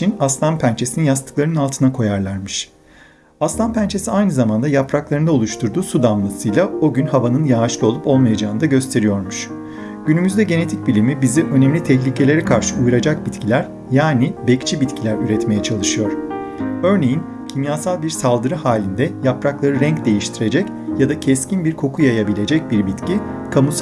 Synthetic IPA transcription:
inast̪ˠampʰænt͡ʃʰe̞sininjast̪ʰɯ̥klˠaɾɯnɯnalˠt̪ʰɯnakʰo̞jaɾlˠaɾmɯʃ | ast̪ampʰænt͡ʃʰe̞siajnɯzamand̪ajapɾaklˠaɾɯnao̞lˠuʃt̪ʰuɾd̪uːsud̪ammasɯjlˠao̞ɟynhavanɯnjaːʃlˠɯo̞lˠupo̞lˠmajad͡ʒaːɯnd̪aɟø̞st̪ʰe̞ɾijo̞ɾmuʃ | ɟ̥ynymyzd̪ɛɟe̞ne̞t̪ʰic̚bilʲimibiziʔø̞nɛmlʲit̪ʰɛçlʲicʰe̞lʲe̞ɾɛkʰaɾʃɯujuɾad͡ʒak̚bit̪cʰilʲæɾ | jaːnibɛct͡ʃʰibit̪cʰilʲæɾyɾɛt̪me̞jɛt͡ʃʰalˠɯʃɯjo̞ɾ̥ | ø̞ɾne̞jin | cʰimjasalˠbiɾsalˠd̪ɯɾɯhaːlʲind̪ɛjapɾaklˠaɾɯɾɛɲcd̪e̞jiʃt̪ʰiɾe̞d͡ʒɛc | jad̪acʰɛscinbiɾkʰo̞kʰujajabilʲe̞d͡ʒɛc̚biɾbit̪cʰi | kʰamus

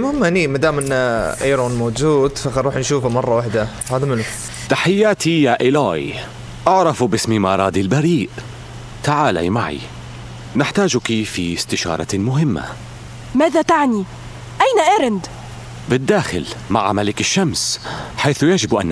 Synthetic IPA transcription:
mʊhɪmːaniːmad̪aːmɪnaʔajɾˤuːnmoːd͡ʒuːd̪faxɑɾuːħnʃuːfamɑrˤːɑwaħd̪a | haːd̪amɪnʊ | t̪aħɪjːaːt̪ijaːʔɪlaːj | ʔaʕɾˤɑfbɪsmimɑːɾˤɑːd̪ilbaɾiːʔ | t̪aʕaːla̰jmaʕḭ | nɪħt̪aːd͡ʒʊkifist̪ɪʃɑ̰ːɾˤɑmʊɦɪmːa̰ | maːðat̪aʕni | ʔajnaʔaːɾɪnd̪ | bɪd̪ːaːxɪ̰lma̰ʕamalɪkɪʃːamsħajθʊjad͡ʒɪbʔa̰nː

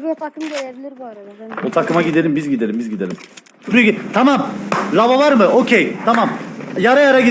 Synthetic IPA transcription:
t̪ʰakɯmeɾebilʲiɾbuaɾabut̪ʰakʰɯmaɟid̪e̞lʲimbizɟid̪e̞lʲimbizɟid̪elʲim | ɾyɡʲt̪ʰamamlˠavavaɾmɯocʲʰejt̪ʰamamjaɾajaɾaɡi

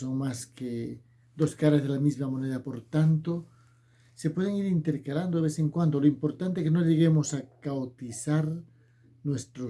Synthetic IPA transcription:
oŋmaske | d̪o̞skaɾazð̞elamizmamõneðapo̞ɾt̪ant̪o | se̞pwe̞ð̞eŋiɾint̪e̞ɾkaland̪oðeeseŋkwand̪oloimpo̞ɾt̪ant̪ekeno̞ʎe̞ɣemosakawt̪iθaɾ | nwe̞st̪ɾo

